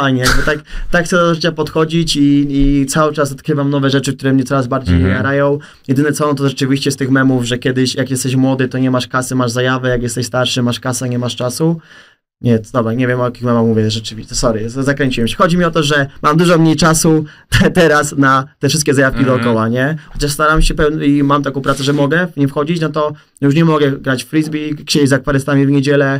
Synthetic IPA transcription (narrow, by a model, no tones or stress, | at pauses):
fajɲɛjaɡbɔt̪akt̪akxt̪sɛd̪d̪ɔʐɘt͡ɕapɔt̪xɔd͡ʑit͡ɕiːt̪sawɘt͡ʂasɔt̪kɾɘvamnɔvɛʐɛt͡ʂɘkt̪uɾɛmɲɛtsɔɾazbaɾd͡ʑejɲejaɾajɔ̃w̃ | jɛd̪ɘnɛt̪sɔɔ̃nt̪̬ɔʐɛt͡ʂɘvʲiɕt͡ɕɛst̪ɘxmɛmuvʐɛkʲjɛd̪ɘɕjakjɛst̪ɛɕmwɔd̪ɘt̪ɔɲɛmaʂkasɘmaʐzajavɛjak̬jɛst̪ɛɕst̪aɾʂɘmaʂkasaɲɛmaʂt͡ʂasu | ɲɛd̪ɔbɾaɲevʲjɛmɔjakʲixmɛmaxmuvʲjɛʐɛt͡ʂɘvʲiɛsɔɾɨzzakɾɛɲt͡ɕiwɛmɕɛ̥xɔd͡ʑimʲiɔt̪ɔʐɛmamd̪uʐɔmɲejt͡ʂasut̪ɛɾasnat̪ɛfʂɘst̪kʲɛzajafkʲid̪ɔːkɔwaɲɛxɔt͡ɕaʂst̪aɾamɕɛpɛvnimamt̪akɔ̃wpɾat̪sɛʐɛmɔɡɛɲɛfxɔd͡ʑit͡ɕnɔt̪ɔ | juʂ̬ɲɛmɔɡɛɡɾat͡ɕffɾizbʲikɕejzakfaɾɛst̪amʲivɲed͡ʑɛlɛ